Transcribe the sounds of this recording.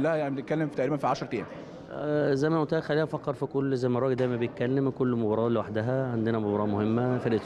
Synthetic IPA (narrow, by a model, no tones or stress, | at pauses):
lːæhæjanibenet̪̚kælːemfit̪æʔɾiːbænfiʕaʃɾˤt̪ejn | zæjmæʔont̪æhæxælːiːhæfɑkːɑɾˤfikolːzæjmærˤɑːɡeld̪æjmæbejet̪̚kælːemkolːmobɑɾˤɑːʔlewaħd̪æɦæʕand̪enæmobɑɾˤɑːʔmohemːæfeɾʔet̪